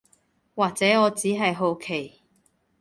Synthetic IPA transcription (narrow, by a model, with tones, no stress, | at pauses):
waː˨k̚t͡sɛː˨˥ŋɔː˨˧t͡siː˨˥ɦɐ˨jɦo˨˧wkʰe˨˩j